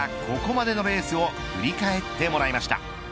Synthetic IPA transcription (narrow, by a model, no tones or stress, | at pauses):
akʰo̞ko̞mad̪e̞no̞be̞ːsɨo̞ | fɯ̟ɾʲikae̞t̪ːe̞mo̞ɾaimaɕi̥t̪a̰